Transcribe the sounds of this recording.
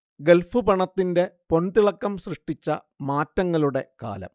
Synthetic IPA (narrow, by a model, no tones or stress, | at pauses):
ɡe̞lfupɐɳɐt̪ːinde̞po̞nd̪iɭɐkːɐmɕrɨʂʈit͡ɕːɐ | maːtːɐŋːɐɭuɽe̞ka̰ːlɐ̰m